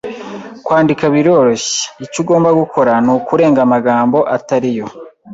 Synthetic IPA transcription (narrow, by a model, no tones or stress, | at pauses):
kwaːndikaβiɾo̞ɾo̞ɕe̥icuɡo̞ːmbaɡukʰo̞ɾanukuɾe̞ːŋɡamaɡaːmbo̞ʔataɾijo̞